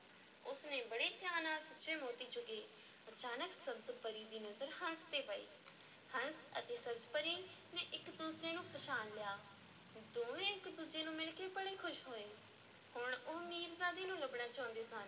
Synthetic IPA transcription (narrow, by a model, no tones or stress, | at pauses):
ʊsnẽːbəɽeːt͡ʃaːnãːsʊt͡ʃʰẽːmoːt̪iːd͡ʒʊɡeː | ət͡ʃaːnəksəbzpəɾiːd̪iːnəzəɾhənst̪eːpəḭː | hənsə̰t̪eːsəbzpəɾiː | nẽːʔɪkd̪uːsɾeːnũːpʰəʃaːnlɪjaː | d̪oːnẽːɪkd̪uːd͡ʒeːnũːmɪɭkeːbəɽeːkʰʊʃɦoːeː | hʊɳoːmiːɾzaːd̪iːnũːləbɳaːt͡ʃaːʊ̃nd̪eːsãːn